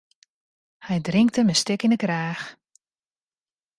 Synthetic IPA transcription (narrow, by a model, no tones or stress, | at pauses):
hɛjdrɪŋk̚təmɛstɪkinəkraːx